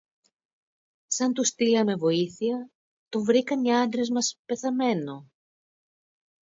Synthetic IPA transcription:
sɐnt̪ust̪iɐme̞vo̞iθiɐ | t̪ovɾikɐnɲɐɐnd̪ɾe̞zmɐspe̞θɐme̞no

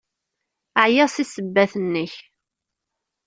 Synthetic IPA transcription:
əʕjæʁsisəbːæθənːəç

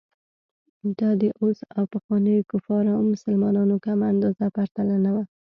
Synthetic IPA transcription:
d̪ɑd̪əʔosawpaxwɑnəjokʊfɑɾawmʊsəlmɑnɑnokamaːnd̪ɑzapaɾt̪alanawa

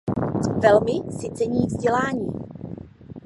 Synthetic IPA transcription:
vɛlmɪsɪt͡sɛɲiːvzɟɛlaːɲḭː

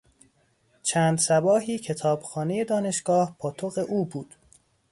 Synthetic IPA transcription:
t͡ʃʰæːnd̪sæbɒːɦiːcʰe̞t̪ʰɒːb̥xɒːneje̞d̪ɒːne̞ʃɡ̥ɒːhpʰɒːt̪ʰoɣe̞ʔuːbuːd̪̥

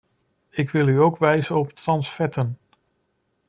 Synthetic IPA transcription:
ɪkʋɪlˠyowkʋɛjzəɔptrɑnsfɛtən

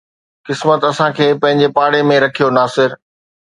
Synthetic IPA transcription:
kɪsmət̪ɐsãkʰeːpɐ̃ɦɪ̃ɲ̆d͡ʑepaːɽemẽɾɐkʰijonaːsɪɾ

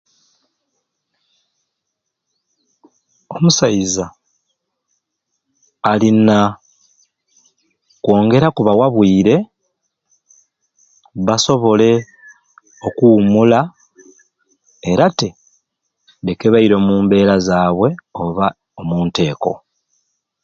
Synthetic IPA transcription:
omusajiza | lina | kwo̞ːŋɡe̞ɾakuβawaβwiːɾe̞ | βaso̞βo̞le̞ | o̞kuumula | ɾate̞ | dekeβaiɾo̞muːmbe̞ːɾazaːβwe̞o̞βa | omuːnte̞ːko̞̰

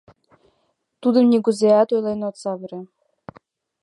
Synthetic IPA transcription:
t̪ud̪ɤ̆mnʲiɡuzeæt̪ojlˠenot̪sɑβɘ̆ɾe

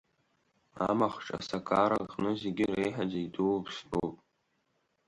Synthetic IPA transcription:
a̰maχʈ͡ʂʼa̰sakʰaːɾaʁnɨzeɡʲɪrejħad͡zaiduwpʰʂtowpʼ

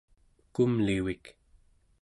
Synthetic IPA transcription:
kumliwik

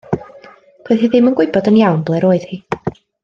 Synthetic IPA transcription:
pʰɛðiðɪmənɡwɪɨbɔdənjawnblˠɛɾoːɨð̥hiː

